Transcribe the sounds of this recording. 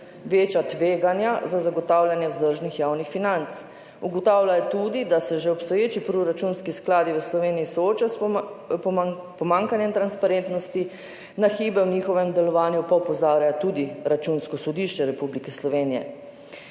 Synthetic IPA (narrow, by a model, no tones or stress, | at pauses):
ʋeːt͡ʃjat̪ʋeːɡanjazazaɡɔt̪aːwljanjɛwzd̪əɾʒnixjaːwnixfinant̪s | uɡɔt̪aːwlajɛt̪ud̪id̪asɛʒɛɔpst̪ɔjeːt͡ʃipɾɔɾat͡ʃunskisklaːd̪iʋəslɔʋeːnijisɔoːt͡ʃasppɔmaŋkanjɛmt̪ɾanspaɾent̪nɔst̪i | naxiːbɛwniːxɔʋɛmd̪ɛlɔʋaːnjupɔpɔzaːɾjat̪ud̪iɾat͡ʃunskɔsɔd̪iʃt͡ʃɛɾɛpublikɛslɔʋeːnijɛ̰